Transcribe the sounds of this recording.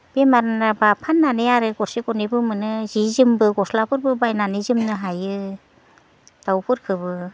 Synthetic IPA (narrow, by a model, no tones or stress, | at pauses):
b̥emaɾnabapʰanːanejaɾɯɡɔɾsiɡɔnibɯmɯnɯzizɯmbɯɡɔslapʰɯɾbɯbajnanizimnɯɦajɯ | d̥awpʰɯɾkʰɯbɯ